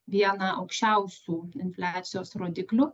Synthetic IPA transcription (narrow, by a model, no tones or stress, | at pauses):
ʋʲiɛnɑʔɐʊkʃʲt͡ʃʲɛʊsʲuːɪnʲfʲlʲæːt̪sʲɪjoːsɾoːd̪ʲɪklʲʊ